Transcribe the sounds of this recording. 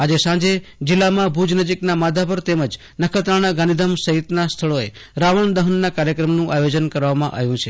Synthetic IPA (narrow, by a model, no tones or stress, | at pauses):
ad͡ʒesãd͡ʒed͡ʒilːamãbʱud͡ʒnəd͡ʒiknamad̪ʱapəɾt̪eməd͡ʒ | nəkʰət̪ɾaɽ̃aɡãnid̪ʱəmsəɦit̪nast̪ʰəɭoḛɾaʋəɳd̪əɦənːakaɾjəkɾəmnũʔajod͡ʒənkəɾʋamã̰ʔa̰jũt͡ʃʰe